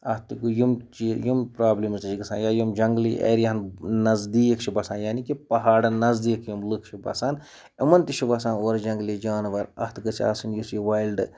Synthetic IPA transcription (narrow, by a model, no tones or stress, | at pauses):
ɐht̪ɨkujimt͡ʃijimpɾaːblimzt̪it͡ʃiɡɐsã̰ːnjaːjumd͡ʒɐŋɡlḭʔḛːɾjɐɦɐnnɐzd̪iːkʰt͡ʃʰibɐsaːnjaːnikipɐɦaːɖɨnɐzd̪iːkʰjumlɨkʰt͡ʃʰibɐ̰saːn | ɐmɐnt̪iʃʰibɐsaːnoːɾd͡ʒɐŋɡlid͡ʒaːnʋɐɾɐ̰ht̪ɡɨsʰʲa̰ːsɨnjusjiʋaːjlɖɨ